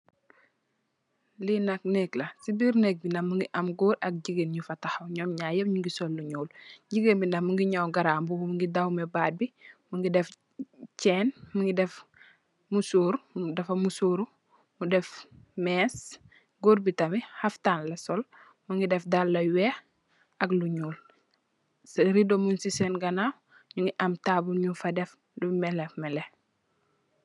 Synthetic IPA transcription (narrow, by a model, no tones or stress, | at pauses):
linɐk̚neklɐsibiɾnek̚binɐmuŋɡiʔɐmɡoːɾɐk̚ɟiɡenɲufɐtaxɐwɲɔːmɲaːjebɲuŋɡisolːuɲoːlɟiɡenbinɐmuŋɡiɲawɡaɾaːmbumuŋɡidawmebaːd̚bimuŋɡidɛf | t͡ʃɛːnmuŋɡidɛf | musuːɾdɛfɐmusuːɾu | mudɛf | mɛːs | ɡuɾbitɐmihaftaːnlɐsol | muŋɡidɛfdalːɐwɛ | ɐɡluɲuːl | ɾidomunsisenɡɐnaw | ɲuŋɡiʔɐmtabuɲufɐdɛf | lumɛlɛfmɛlɛ